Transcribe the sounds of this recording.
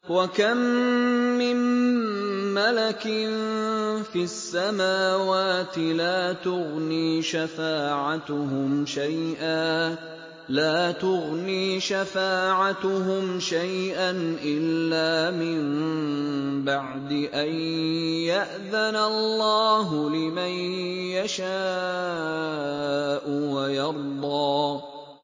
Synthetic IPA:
wakamː | ɪmː | alakɪnfiasːamaːwaːt̪ɪlaːt̪ʊɣniːʃafaːʕat̪ʊhʊmʃajʔaː | laːt̪ʊɣniːʃafaːʕat̪ʊɦʊmʃajʔanʔɪlːaːmɪm | baʕd̪ɪʔanjaʔðanalːɑːɦʊlɪmanjaʃaː | ʔʊwajɑɾˤd̪ˤɑː

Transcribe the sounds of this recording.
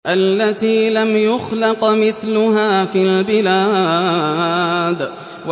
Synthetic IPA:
ʔalːat̪iːlamjʊxlɑqmɪθlʊɦaːfiːlbɪlaː | d̪ | w

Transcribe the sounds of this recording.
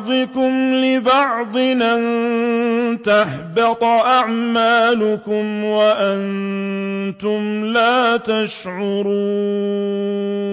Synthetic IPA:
d̪ˤɨkʊmlɪbɑʕd̪ˤɨnan | t̪aħbɪt̪ˤʔaʕmaːlʊkʊmwaʔan | t̪ʊmlaːt̪aʃʕʊɾuː

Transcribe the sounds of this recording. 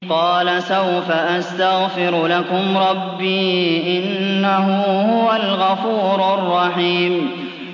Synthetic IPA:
qɑːlasawfaʔast̪aɣfɪɾlakʊmɾˤɑbːiːʔɪnːahʊhʊwalɣɑfuːɾarˤːɑħiːm

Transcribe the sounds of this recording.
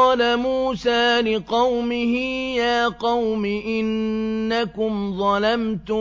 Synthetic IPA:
ɑːlamuːsaːlɪqɑwmɪhɪjaːqɑwmɪʔɪnːakʊmðˤɑlamt̪ʊ

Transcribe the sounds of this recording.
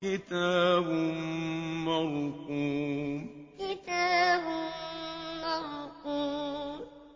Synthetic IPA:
kitabum̩mɔɾũkũ | kitabu | mɔɾukũ

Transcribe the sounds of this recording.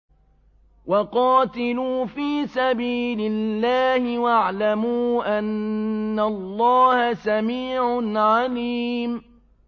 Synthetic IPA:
wɑqɑːt̪ɪluːfiːsabiːlɪlːaːhɪwaʕlamuːʔanːalˤːɑːhasamiːʕʊnʕaliːm

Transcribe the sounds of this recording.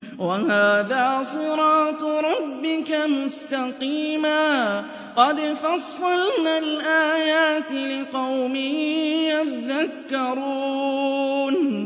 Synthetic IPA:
wahaːðaːsˤɨɾɑːt̪ɾˤɑbːɪkamʊst̪aqiːmaː | qɑd̪fɑsˤːɑlnalʔaːjaːt̪ɪlɪqɑwmɪhjat̪ðakːɑɾˤuː | n

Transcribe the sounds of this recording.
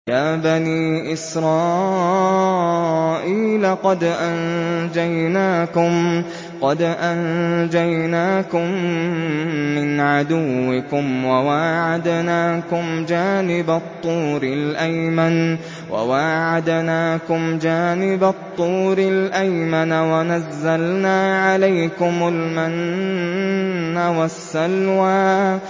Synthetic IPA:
jaːbaniːʔɪsɾˤɑː | ʔiːlaqɑd̪ʔand͡ʒajnaːkʊm | qɑd̪ʔand͡ʒajnaːkʊm | ɪnʕad̪ʊwːɪkʊmwawaːʕad̪naːkʊmd͡ʒaːnɪbat̪ˤːuːɾɪlʔajman | wʔa̰waːʕad̪naːkʊmd͡ʒaːnɪbat̪ˤːuːɾɪlʔajmanawanazːalnaːʕalajkʊmalman | awasːalwaː

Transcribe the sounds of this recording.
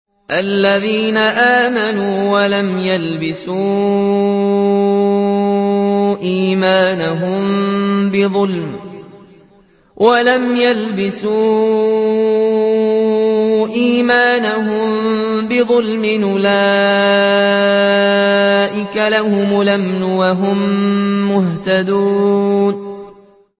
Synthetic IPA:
ʔalːaðiːnaʔaːmanuːwalamjalbɪsuː | ʔiːmaːnaɦʊmbɪðˤʊlm | wʔalamjalbɪsuː | ʔiːmaːnaɦʊmbɪðˤʊlmɪnʔʊla | ʔɪkalahʊmʊlamnʊwaɦʊmːʊht̪ad̪uːn

